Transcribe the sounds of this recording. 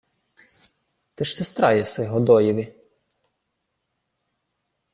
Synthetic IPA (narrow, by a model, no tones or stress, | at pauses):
t̪ɪʃsest̪ɾɑjɛsɪɦɔd̪ɔjiʋʲi